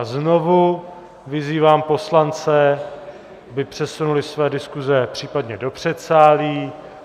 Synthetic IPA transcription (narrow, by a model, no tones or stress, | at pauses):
zno̞vu | vɪziːvaːmpo̞slant͡sɛ | abɪpr̝̥ɛsunulɪsvɛːdɪskuzɛpr̝̥iːpadɲɛdo̞pr̝̥ɛt̪saːliː